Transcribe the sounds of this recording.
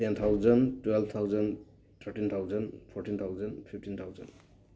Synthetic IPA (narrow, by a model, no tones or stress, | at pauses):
tɛnt̪ʰawzɔntwɛlb̚t̪ʰawzɔn | t̪ʰəɹʈint̪ʰawzɔnpʰɔɹʈint̪ʰawzanpʰiftint̪ʰawzɔ̰nd